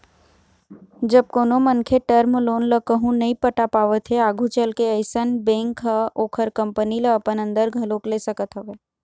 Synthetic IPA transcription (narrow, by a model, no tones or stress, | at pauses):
d͡ʒɐb̚koːnomənkʰeʈəɾmloːnləkəɦũnːɐɦĩpəʈapaːʋət̪ɦeaːɡʱũt͡ʃəlkeəɪsənbẽːŋkɦaoːkʰəɾkə̃mpəniləːpənə̃nd̪əɾɡʱɐloːkleːsɐkət̪ɦɐʋeː